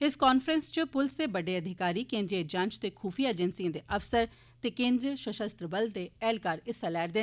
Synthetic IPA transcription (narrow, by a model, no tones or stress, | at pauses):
ɪskaːnfɾə̃nst͡ʃəpʊlseːbəɖeːəd̪ʱɪkaːɾiːkẽːnd̪ɾiəd͡ʒãːɲt͡ʃt̪eːkʰuːpʰiːaed͡ʒənsijãːd̪eʔəfsəɾ | t̪eːkẽːnd̪ɾijəʃəʃəst̪ɾəbəld̪eːɛːlkaːɾɪselɛːɾd̪e